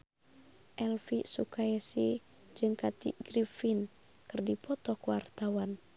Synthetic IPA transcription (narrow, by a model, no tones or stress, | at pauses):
ʔɛlfisukaɛsi | d͡ʒɨŋkat̪ḭɡ̥ɾifin | kɨrdipɔt̪ɔkuwart̪awan